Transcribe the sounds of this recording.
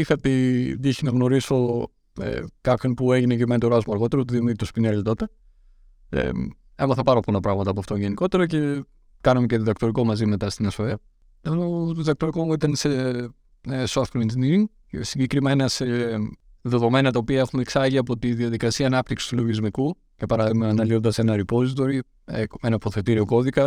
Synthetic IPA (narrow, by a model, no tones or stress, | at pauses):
iθɐt̪id̪içinɐɣno̞ɾiso̞ | ḛkɐkinpue̞ʝineʝimenit̪oɾɐzmuɐɾɣo̞t̪eɾot̪uðimt̪ospinelit̪o̞t̪e | ḛ | emɐθɐpɐɾoponɐpɾɐɣmɐt̪ɐpoft̪oʝeniko̞t̪e̞ɾoce̞ | kɐnɐmeceðiðɐkt̪o̞ɾiko̞mɐzime̞t̪ɐst̪inɐsfɐviɐ | enoðiðɐk̚t̪o̞ɾikooit̪ɐnse | soft̪klinziniɾiŋ | siɲɟe̞kɾime̞nɐse | ðe̞ðo̞me̞nɐt̪ɐopiɐexumeksɐʝiɐpo̞t̪iðiɐðikɐsiɐːnɐpt̪iksi̥st̪ulo̞ʝizmiku | cepɐɾɐðimɐnɐliond̪ɐse̞nɐɾipo̞zit̪̬o̞ɾi | eenɐpo̞θe̞t̪iɾio̞ko̞ðikɐ